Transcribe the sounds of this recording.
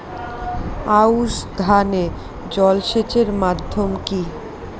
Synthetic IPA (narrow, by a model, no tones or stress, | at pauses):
auʃd̪ʱane | d͡ʑɔlʃet͡ɕeɾmad̪ʱːomki